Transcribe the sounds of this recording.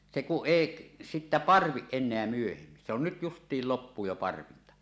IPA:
se kuʔ ʔeˑiʔ sitːæ pɑrʋiʔ ʔenˑeæ myøhemːin se on nyt justˑiːl lopːuː jo pɑrʋintɑ

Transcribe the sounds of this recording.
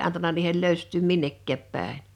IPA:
ɑntɑnɑ niːhel løˑystˑyːm minːekːæːp pæˑen̞

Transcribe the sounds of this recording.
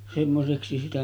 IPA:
semːoseksi sitæ

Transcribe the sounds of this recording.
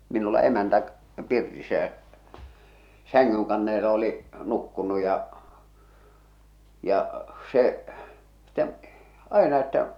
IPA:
minulːɑ emæntæ pirtisːæ jæ sæŋŋyŋkɑnːeːle oli nukːunu jɑ jɑ se s̆t̆ĕm̆ ɑenɑ etːæ

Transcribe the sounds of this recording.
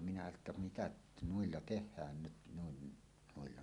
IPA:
minæ etːæ mitæʔ nuilːɑ tehˑæːn nyt nuin nuilːɑ

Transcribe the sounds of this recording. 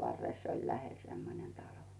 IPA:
ʋɑrːes olʲ læhel semːonen tɑlo

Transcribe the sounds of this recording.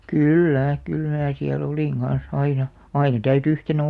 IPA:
kyˑlːæ kyl mæː siæl oliˑŋ ɡ̊ɑn̞s ɑinɑ ɑinɑ tæyty yhtenæ̆

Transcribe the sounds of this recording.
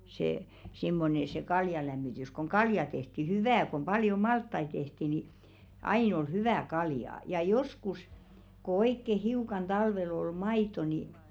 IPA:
se simːone se kɑljɑlæmːitys koŋ kɑljɑ tehti hyʋæː kom pɑljo mɑltːɑi tehti ni ɑin ol hyʋæˑ kɑljɑˑ jɑ joskus ko oikːe hiukɑn tɑlʋel ol mɑitˑo ni

